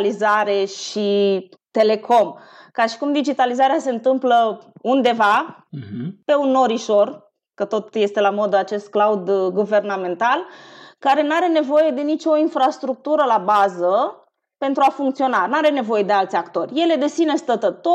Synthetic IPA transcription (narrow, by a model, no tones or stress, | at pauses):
lizaɾe̞ʃit̪e̞le̞kʰo̞mkaʃi̥kumd̪id͡ʒit̪alizaɾease̞ɨnt̪ɨmpləund̪e̞va | pe̞unːo̞ɾiʃo̞r | kət̪o̞t̪je̞st̪e̞lamo̞d̪at͡ʃe̞st̪̚klaud̪ɡuve̞rname̞nt̪alkaɾe̞naɾe̞ne̞vo̞je̞d̪e̞nit͡ʃo̞infɾast̪ɾuk̚t̪uɾəlabazə | pe̞nt̪ɾuafuŋkt̪sio̞nanuaɾe̞ne̞vo̞je̞d̪e̞alt̪sʲakt̪o̞rʲje̞le̞d̪e̞sine̞st̪ət̪ət̪o